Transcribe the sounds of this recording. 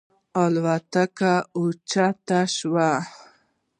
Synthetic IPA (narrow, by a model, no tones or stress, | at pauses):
alwat̪akaʊt͡ʃat̪aʃwa